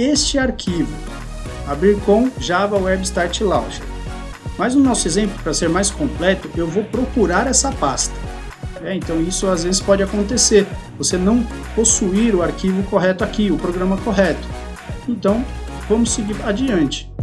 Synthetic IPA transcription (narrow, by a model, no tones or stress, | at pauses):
est͡ʃɪaɾkʰivʊ | abɾiɾkõw̃ʒavɐʊwɛbɪst̪aɾt͡ʃɪlawʒɪ | mɐzʊnɔsʊezẽmplʊpɾɐseɾmajskõplɛt̪ʊʔewvowpɾokuɾaɾɛsɐpast̪ɐ̥ | ɛẽnt̪ɐ̃w̃isʊazvezɪspɔd͡ʒɪakõnt̪eseɾvosenɐ̃w̃posuiɾʊaɾkivʊkoɦɛt̪ʊakiʊpɾoɡɾɐ̃mɐkoɦɛt̪ʊ̥ | ẽnt̪ɐ̃w̃vɐ̃mʊsːeɡiɾad͡ʒiɐ̃nt͡ʃɪ̥